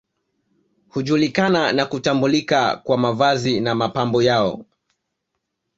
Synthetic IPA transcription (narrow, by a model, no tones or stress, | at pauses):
huʄulikananakutambulika̰kwamavazinamapambɔjaɔ̰